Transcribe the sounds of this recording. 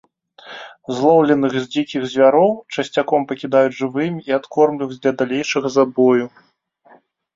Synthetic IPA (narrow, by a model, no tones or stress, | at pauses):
zlˠɔwlʲɛnɨɣzʲd͡zʲikʲiɣzʲvʲaɾɔwt͡ʂɐsʲt͡sʲakɔmpɐkʲid̪ajud͡zʲʐɨvɨmʲiiat̪kɔrmlʲiɣzʲd̪lʲɐd̪alʲejʂɐɣɐzabɔju